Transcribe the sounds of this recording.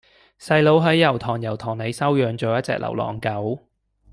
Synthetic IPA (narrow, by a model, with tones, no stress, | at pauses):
sɐ˧jlo˨˧wɦɐ˨˥jːɐ˨˩wt̪ʰɔː˨˩ŋjɐ˨˩wt̪ʰɔː˨˩ŋne˨˧jsɐ˥wjœː˨˧ŋt͡ʃo˨wjɐ˥t̚t͡sɛ̰ː˧k̚lɐ̰˨˩wlɔ̰ː˨˩ŋkɐ˨˥w